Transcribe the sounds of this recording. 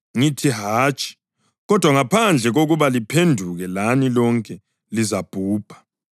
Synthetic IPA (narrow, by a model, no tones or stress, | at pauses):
ŋitʰiɦaːt͡ʃʼi̥ | ɣɔd̥ʱwaŋapʰand͡ɮʱɛɣoɣuβalipʰendʱuɣɛlanilɔŋkʼɛ | lizab̥ʱuːb̥ʱḁ